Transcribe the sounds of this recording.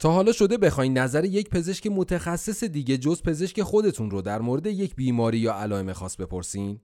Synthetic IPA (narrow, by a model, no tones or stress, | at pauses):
t̪ʰɒːhɒːlɒːʃo̞d̪e̞be̞xɒːjnːæzæɾeje̞cpʰe̞ze̞ʃce̞mo̞t̪ʰæxæsːe̞se̞d̪iːɟe̞d͡ʒo̞z̚pʰe̞ze̞ʃce̞xo̞d̪e̞t̪ʰunrod̪æɾmoːɾe̞d̪eje̞cʰbiːmɒːɾiːjɒːælɒːe̞me̞xɒ̰ːst̪̚be̞pʰo̞ɾsin